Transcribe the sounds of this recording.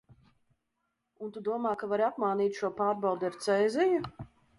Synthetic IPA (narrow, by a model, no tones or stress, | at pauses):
unt̪ud̪uɔmaːkavaɾiapmaːniːt̪ʃuɔpaːɾbawd̪ʲɛɾt̪sɛjzɛju